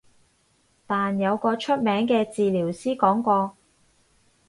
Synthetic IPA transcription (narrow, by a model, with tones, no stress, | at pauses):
t̪aː˨njɐ˨˧wkɔː˧t͡ʃʰɵ˥t̚mɛː˨˥ŋkɛː˧t͡siː˨liː˨˩wsiː˥kɔː˨˥ŋkʷɔː˧